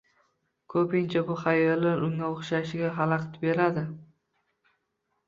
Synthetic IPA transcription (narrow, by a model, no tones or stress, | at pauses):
kʰɵpɪnt͡ʃʰabʊχajɒlːaɾʊŋːaoχʃaʃɪɡʲaɦalˠɑqt̪be̞ɾad̪ɪ